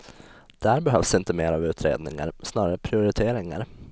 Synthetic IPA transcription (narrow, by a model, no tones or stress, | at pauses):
d̪̥æɾbɛɦœvsɪnt̪əmeːɾavʉ̟ːt̪ʰɾḛːd̪nɪ̰ŋa̰ɾsnɑːɾaɾəpʰɾɪʊɾɪt̪ʰeːɾɪŋa̰ɾ